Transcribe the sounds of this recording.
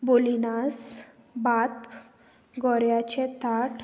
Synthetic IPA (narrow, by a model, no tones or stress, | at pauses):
bolinas | bat̪ | ɡɔɾjat͡ɕɛt̪aʈ